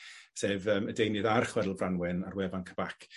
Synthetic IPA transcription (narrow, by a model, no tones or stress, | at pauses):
seːvəːmədejnɨðarχwɛdlˠvranwɪnarwɛvankʰəb̥akʰ